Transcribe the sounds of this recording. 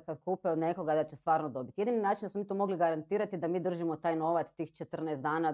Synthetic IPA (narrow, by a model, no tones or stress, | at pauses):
kad̪kuːpɛod̪ne̞ko̞ɡad̪at͡ɕest̪ʋaːɾnod̪o̞bit̪ijed̪ininaːt͡ʃind̪asmomiːt̪omo̞ɡliɡaɾant̪iːɾat̪id̪amiːd̪r̩ʒimo̞t̪aːjno̞ʋat̪st̪iːxt͡ʃet̪r̩nɛsd̪aːna